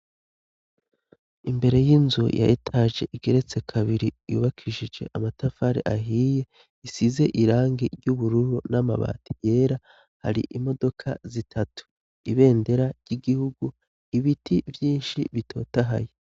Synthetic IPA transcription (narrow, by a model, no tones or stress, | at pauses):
imbe̞ɾe̞jinzujʔa̰etʰaʒe̞̰ʔiɡe̞ɾe̞t͡se̞kʰaβiɾijṵːβakʰiʒid͡ʒe̞ʔamatafaɾḛʔaɦiːje̞ | isize̞ʔiɾaːŋɡiɾjuβuɾuɾunama̰βa̰ːtʰi̥je̞ːɾa | ha̰ɾḭʔimo̞do̞kʰa̰zitʰatu̥ | iβe̞ːnde̞ɾaɾɟiɡihuɡu | iβitʰivjiːnʃiβitʰo̞ːtaɦa̰je